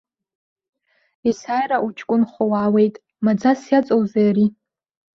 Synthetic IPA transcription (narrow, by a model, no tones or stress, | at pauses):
isaːjraʔut͡ʃʰʼkʷʼʊnχʷowaːwe̞jtʼ | mad͡zasjat͡sʼowzajaɾi